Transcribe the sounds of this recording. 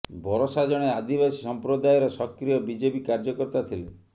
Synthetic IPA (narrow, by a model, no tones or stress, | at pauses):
bʱɔɾɔsad͡ʒɔɽ̃ead̪ibasisɔmpɾod̪ajeɾɔsɔkɾijɔbid͡ʒepikaɾd͡ʒɔkɔɾt̪at̪ʰile